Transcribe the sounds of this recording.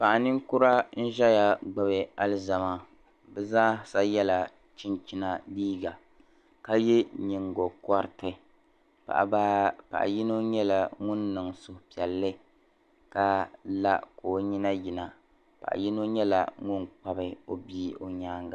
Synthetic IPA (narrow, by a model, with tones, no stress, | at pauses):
pa˨ʔa˨nɨ˦ŋkʊ˦ɾa˦n̩˦ʒɛ˦ja˨ɡ͡ba˨bɨ˨a˦lɨ˦za˨ma˦ | bɛ˦zaː˦˨sa˦jɛ˦la˨ | t͡ʃɪ˦nt͡ʃi˦na˨diː˦ɡa˨ | ka˦je˦ɲi˨ŋɡo˨ka˦ɾtɨ˨ | pa̰˨ʔba˦pa̰˨ʔji˦no˦ɲɛ˦la˨ŋʊ˦nːɨ˨ŋsʊ˦hpi˨ɛ˨lːɨ˦ | ka˦la˦ko˨˦ɲi˦na˦ji˨na˨ | pa̰˨ʔji˦no˦ɲɛ˦la˨ŋʊ˦nk͡pa˦bɨ˦o˦biː˦o˦ɲaː˦ŋɡa˨